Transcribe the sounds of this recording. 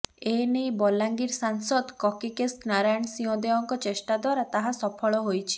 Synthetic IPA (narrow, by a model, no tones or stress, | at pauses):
enejbɔlaŋɡiɾsaŋsɔd̪kɔkikesnaɾajɔɳ̃siɔ̃d̪eɔŋkɔt͡ʃesʈad̪waɾat̪aɦasɔpʰɔɭɔɦojt͡ʃʰi̥